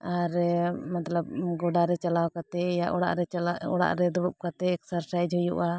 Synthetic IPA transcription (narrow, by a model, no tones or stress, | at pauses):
aɾmat̪lab̚ɡɔɖaɾɛt͡ʃalawkat̪ɛjaʔɔɽa̰ʔɾɛɔɽa̰ʔɾɛd̪ɔɽɔp̚kat̪ɛːksaɾsaɛd͡ʒʱɔjṵʔa